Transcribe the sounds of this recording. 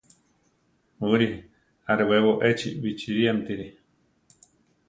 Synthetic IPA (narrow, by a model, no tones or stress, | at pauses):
uɾi | aɾeweβoʔet͡ʃḭβit͡ʃiɾiamt̪iɾi